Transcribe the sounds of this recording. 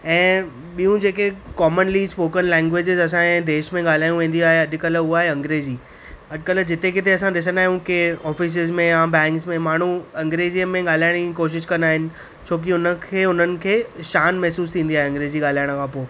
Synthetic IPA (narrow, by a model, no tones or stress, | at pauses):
ɛ̃ː | ɓijũd͡ʑeːkekɔːmənlispoːkənlɛ̃ːŋɡʋeːd͡ʑɪzɐs̬ãɛ̃ːd̪eːʃmẽɠaːl̤aːjũʋẽːn̆d̪iaːɦeɐʄkəlʊaːɦeɐ̃ŋɡɾeːziː | ɐʄkəld͡ʑɪt̪ekɪt̪ʰeɐsãɗɪs̬ənaːɦijũkeɔːfɪs̬ɪzmẽjãbɛ̃ːŋksmẽmaːɳ̤uɐ̃ŋɡɾeːziəmẽɠaːl̤aːɪɽ̃kikoːʃ̬ɪʃkɐ̃nd̪aːɦɪnɪ̆ | t͡ɕʰoːk̬iʊnə̆kʰeːʊn̤ənɪ̆kʰeːʃaːnmɛɦsuːst̪ʰĩːnd̪iaːɦeɐ̃ŋɡɾeːziɠaːl̤aːɪɽ̃kʰãːpoː